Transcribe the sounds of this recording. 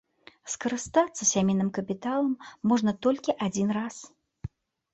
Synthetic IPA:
skɐɾɨst̪at̪sːɐsʲamʲejnɨmkɐpʲit̪alˠɐmːɔʐnɐt̪ɔlʲkʲiʔad͡zʲinras

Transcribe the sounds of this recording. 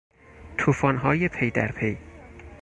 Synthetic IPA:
t̪ʰuːfɒːnɦɒːjepʰejd̪æɾpʰej

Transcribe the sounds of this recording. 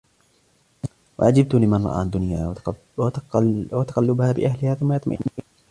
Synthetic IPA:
wʔa̰ʕad͡ʒɪb̚t̪ʊnimanɾˤɑ̰ʔa̰ːnd̪ʊnja | wat̪ḁqɑlːʊbhaːbɪ̰ʔahlɪhaːθʊmːajɑt̪ˤma̰

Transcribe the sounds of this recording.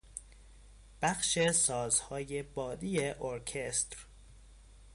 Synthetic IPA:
b̥æxʃe̞sɒːzhɒːje̞bɒːd̪ijeʔoɾcʰest̪ɾ

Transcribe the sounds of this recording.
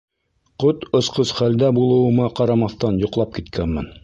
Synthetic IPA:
qot̪ŏsqɤsχæld̪æbulˠɤ̆wɤ̆mɑqɑɾɑmɑθt̪ɑnjŏqlˠɑp̚kit̪kʰænmɘ̰n

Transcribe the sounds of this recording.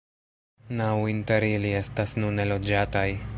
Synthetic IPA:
nawinte̞ɾilie̞stasnune̞lo̞d͡ʒataj

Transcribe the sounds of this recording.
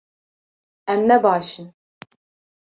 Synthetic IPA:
ɛmnɛbaːʃɯn

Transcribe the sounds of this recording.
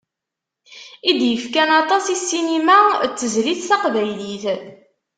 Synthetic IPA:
id̪jəfkænɑt̪ˤɑsisːinimæt͡sːəzliθsɑqvæjliθ

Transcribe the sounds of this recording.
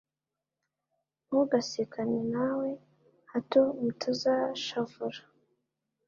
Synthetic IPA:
muɡasikʰaɲenawe | hatomutʰazaʃavuɾḁ

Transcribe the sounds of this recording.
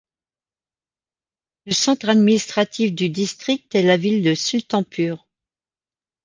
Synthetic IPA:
ləsɑ̃t̪χad̪minist̪χat̪ʰifd̪yd̪ist̪χik̚t̪ɛlavild̪əsylt̪ɑ̃pyːʁ

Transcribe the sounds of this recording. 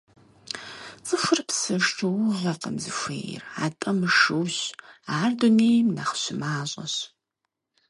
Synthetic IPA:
t͡sʼɨfɨrpsɨʂʈ͡ʂʰowʊʁʷɐqɐmzɨfʷḛːjɪ̰raːtʼɐmɨʂɨwɕaːrduneːjmnaχɕɪmaːɕʼɐɕ

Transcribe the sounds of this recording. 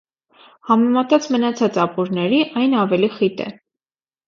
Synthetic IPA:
hɑmɛmɑt̪ɑt͡smənɑt͡sʰɑt͡sɑpuɾnɛɾiʔɑjnɑvɛliχit̪ɛ̰

